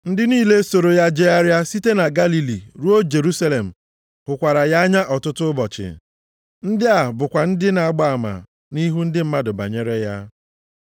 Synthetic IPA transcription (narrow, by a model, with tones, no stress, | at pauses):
n̩˦dɪ˦niː˦le˦so˨ɾo˨ja˦d͡ʒe˦a˦ɾja˦si˦te˦na˨ɡa˦li˨lḭ˨ɾu˦o˦d͡ʒe˨ɾu˦sa˦le˨m̩˨ | hʊ˨kʷa˨ɾa˨ja˦a˦ɲa˦ʔɔ˨tʊ˦tʊ˦bɔ˨t͡ʃɪ̰˨ | n̩˦dɪ˦a˨bʊ˨kʷa˨n̩˦dɪ˦na˨a˨ɡ͡ba˨a˨ma̰˨ | ni˦ɦu˦n̩˦dɪ˦m̩˦ma˦dʊ˨ba̰˨ɲe˦ɾe˦ja˦